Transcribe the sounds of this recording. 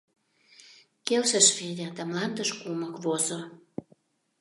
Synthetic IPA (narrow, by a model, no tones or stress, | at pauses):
kelʃə̆ʃfed̪ʲæd̪æmlɑnd̪əʃkuməkβozo